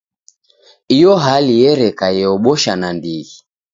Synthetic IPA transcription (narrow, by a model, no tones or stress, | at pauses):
ijɔɦalijɛɾɛkajɛɔɓɔʃanandiɣi